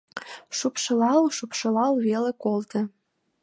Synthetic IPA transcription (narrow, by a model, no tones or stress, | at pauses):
ʃupʃɤ̆lɑlʃupʃɤ̆lɑlβelekolt̪ɤ̆